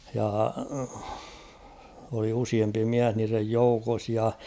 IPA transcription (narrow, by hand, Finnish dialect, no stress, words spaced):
jɑ oli usiempi miæh niːrej joukos jɑ